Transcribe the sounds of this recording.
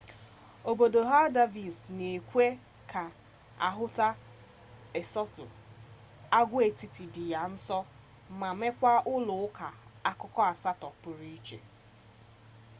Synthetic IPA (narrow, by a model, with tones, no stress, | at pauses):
o˨bo˨do˨ɦa˦da˦vi˨sne˨kʷe˦ | kʰa˨ | a̰˨ɦʊ˦ta˦ | e˨sɔ˦tʊ˨ | a˦ɡʷe˨ti˨ti˨dɪ˨ja˨n̩˦sɔ˦ | ma˨me˦kʷa˦ʔʊ˦lʊ˨ʊ˦ka˨a˦kʊ˦kɔ˦a˨sa˦tɔ˨pʊ˨ɾi˦t͡ʃḛ˨